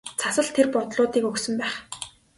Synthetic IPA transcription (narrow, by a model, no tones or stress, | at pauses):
t͡sʰasə̆ɮt̪ʰerpɔt̪ɮʊːt̪iːkɵksɵ̆mpæːχ